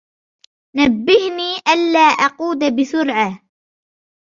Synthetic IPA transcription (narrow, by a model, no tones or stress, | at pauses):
nabːɪhniːʔanːaːʔɑquːd̪bɪsʊɾʕa